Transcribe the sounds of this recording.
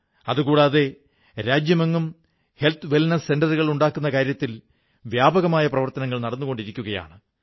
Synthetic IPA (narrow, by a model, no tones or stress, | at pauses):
ɐðuɣuːɽaːðe̞ | ɾaːd͡ʑjɐmeŋːum | he̞lt̪ʰʋelnɐse̞ndɐrɨɣɐɭuɳɖaːkːunːɐkaːɾjɐt̪ːil | ʋjaːbɐɣɐmaːjɐprɐʋɐrt̪ɐnɐŋːɐɭnɐɽɐnːuɣo̞ɳɖiɾikʲːuɣɐja̰ːɳɨ